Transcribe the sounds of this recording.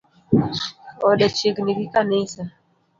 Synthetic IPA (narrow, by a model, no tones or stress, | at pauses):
ɔɗɛt͡ʃiɡnikikanisa